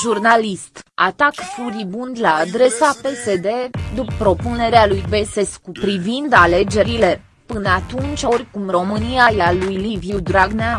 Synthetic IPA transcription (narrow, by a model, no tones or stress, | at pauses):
ʒurnalist̪a̰t̪akfuɾibund̪laːd̪ɾe̞sape̞se̞d̪e̞d̪uppɾo̞pune̞ɾealujbe̞se̞skupɾivind̪ale̞d͡ʒe̞ɾile̞ | pɨnat̪unt͡ʃʲo̞rʲkumro̞mɨniajalujlivjud̪ɾaɡna